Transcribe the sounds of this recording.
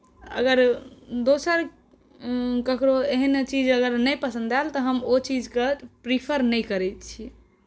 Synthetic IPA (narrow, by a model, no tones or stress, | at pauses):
ə̰ɡəɾd̪osəɾ | kəkɾoeɦənt͡ʃid͡ʒəɡəɾnəjpəsə̃nd̪alt̪ɔɦəmot͡ʃid͡ʒkepɾipʰəɾnəjkəɾɛt̪t͡ʃʰi